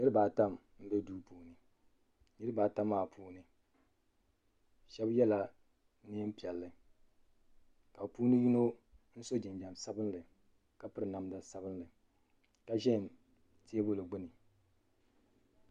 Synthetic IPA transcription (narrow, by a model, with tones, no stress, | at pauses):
ɲɨ˦ɾɨ˦baː˨ta˦m | m̩˦bɛ˦duː˦puː˨nɨ˨ | nɨ˦ɾɨ˦baː˨ta˦mːaː˦˨pʰuː˦nɨ˨ | ʃɛ˦bjɛ˦la˨ | ni˦m˦pi˨ɛ˨lːɨ˨ | ka˨puː˦nɨ˦ji˦no˦n̩˦so˦d͡ʒɪ˨nd͡ʒa˨msa˦bɨ˦nlɨ˨ | ka˨pɨ˦ɾɨ˨na˨m˦da˨sa˦bɨ˦nlɨ˨ | ka˨ʒɛ˦˨m | ti˦e˦bo˦lɨ˨ɡ͡bʊ˦nɨ˨